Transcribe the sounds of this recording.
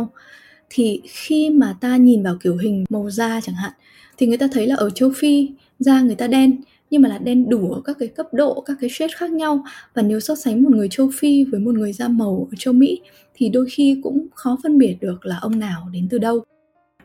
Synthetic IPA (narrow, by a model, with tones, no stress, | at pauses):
w | t̪ʰi˨˩xi˧maː˨˩t̪aː˧ɲi˨˩nvaː˨˩wki˧˩əwɦï˨˩ŋ̟mə˨˩wzaː˧t͡ɕa˧˩ŋha̰ː˧˨n | t̪ʰi˨˩ŋɨ˨˩əjt̪aː˧t̪ʰə˨˦jlaː˨˩ʔəː˧˩t͡ɕə˧wfi˧ | zaː˧ŋ˨˩əjt̪aː˧ɗɛ˧n | ɲɨ˧ŋmaː˨˩laː˨˩ɗɛ˧nɗu˧˩ʔəː˧˩kaː˦˥kːaː˨˦jkə˦˥p̚ɗo̰˧˨kaː˦˥kːaː˨˦jt͡ɕwi˦˥t̚xaː˦˥k̚ɲa˧wvaː˨˩ne˨˦wsɔ˦˥t̚sa˨˦ŋmo˨˩t̚ŋɨ˨˩əjt͡ɕə˧wfi˧vəː˨˦jmo˨˩t̚ŋɨ˨˩əjzaː˧mə˨˩wʔəː˧˩t͡ɕə˧wmḭ˧˥ | t̪ʰi˨˩ɗo˧jxi˧kʊ̰˧˥ŋ͡mxɔ˨˦fə˧nɓi˨˩ət̚ɗɨ˨˩ək̚laː˨˩ʔə˧wŋ͡mnaː˨˩wɗe˨˦nt̪ɨ˨˩ɗə˧w